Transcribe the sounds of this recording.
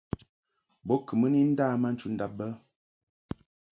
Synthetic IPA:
bɔ˦kə˨mə˦ni˦n̩˦daː˦˨ma˦n̩˦t͡ʃu˨˦n̩˦da˦p̚bə˦

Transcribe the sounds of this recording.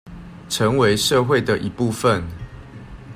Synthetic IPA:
ʈ͡ʂʰə˨˦ŋwe˨˦ɪʂɤ˥˧xwe˥˨ɪd̪ə˩ʔi˨˦pu˥˨fə˨n

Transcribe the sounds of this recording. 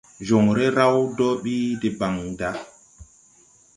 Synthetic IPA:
d͡ʒo˨ŋɾɛ˦ɾa˦wdɔ˦ɓiː˦dɛ˨ba˨ŋda˦

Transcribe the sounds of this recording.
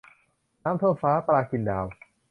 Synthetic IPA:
naː˦˥mt̪ʰo˥˩faː˦˥plaː˧˩ki˧ndaː˧w

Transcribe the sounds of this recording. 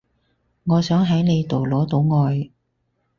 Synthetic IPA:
ŋɔː˨˧sœː˨˥ŋɦɐ˨˥jne˨˧jt̪o˨˩wlɔː˨˥t̪o˨˧˥wŋɔː˨˧j

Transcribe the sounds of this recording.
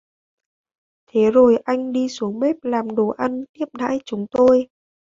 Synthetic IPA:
t̪ʰe˨˦zo˨˩jʔa˧jŋ̟ɗi˧su˨˦əŋme˦˥p̚laː˨˩mɗo˨˩ʔa˧nt̪i˦˥əp̚ɗa̰ː˧˥jt͡ɕʊ˨˦ŋ͡mt̪o˧j

